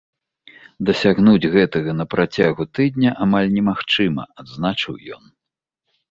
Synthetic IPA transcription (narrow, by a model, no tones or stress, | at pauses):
d̪ɐsʲaɣnud͡zʲɣɛt̪ɐɣɐnɐpɾat͡sʲaɣut̪ɨd̪ʲnʲɐʔamalʲnʲɛmaxt͡ʂɨmɐ̰ad̪znat͡ʂɨwjɔ̰n